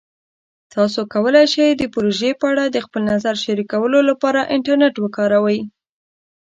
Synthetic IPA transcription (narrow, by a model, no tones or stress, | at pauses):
t̪ɑsokawəlajʃajd̪əpʊɾoʒepəaɽad̪əxpəlnazaɾʃaɾikawəlolapɑɾaʔɪɳʈaɾneʈwəkɑɾawəj